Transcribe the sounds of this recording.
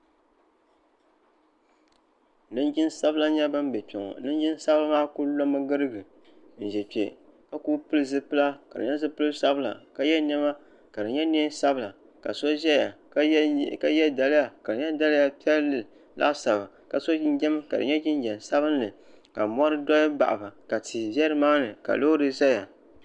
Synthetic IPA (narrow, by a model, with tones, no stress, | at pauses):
nɨ˦nd͡ʒi˦nsa˦bɨ˦la˦ɲɛ˦ba˦m˦bɛ˨pi˨ŋɔ̰˨nɨ˦n˦d͡ʒɪ˦n˦sa˦ba˦maː˦ku˦lo˦mɨ˦ɡɨ˦ɾɨ˦ɡɨ˨ | n̩˨ʒɛ˨pe˨ | ka˦kuː˦pɨ˦lɨ˦zɨ˦pɨ˦la˦ka̰˨dɨ̰˨ɲɛ˦zɨ˦pɨ˦lɨ˦sa˦bɨ˦la̰˨ka˨jɛ˦nɛ˦ma˦ | ka˨dɨ˨ɲɛ˦ne˦sa˦bɨ˦la˨ | ka̰˨so˦ʒɛ˦ja˨˦ | ka˨jɛ˦da˨lɨ˦a˨ka˨dɨ˨ɲɛ˦da˦lɨ˦ja˨pi˦ɛ˦lɨ˨ | lʔa̰˦ʔsa˨ba˨ | ka˨so˦n˦d͡ʒɛ˦m˦ka̰˨dɨ̰˨ɲɛ˦d͡ʒɪ˦n˦d͡ʒɛ˨m˨sa˦βɨ˦n˦lɨ˨ | ka˨mɔ˦ɾɨ˦dɔ˦jba̰˨ʔa˨ba˨ka˨tʰi˨bɛ˦ɾɨ˦maː˦nɨ˨ka̰˨lo˦ɾɨ˦zɛ˦ja˨